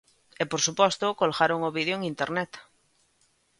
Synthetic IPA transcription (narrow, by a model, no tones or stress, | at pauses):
epoɾsupɔst̪okolɣaɾoŋoβiðjoeŋĩnt̪eɾnɛt̪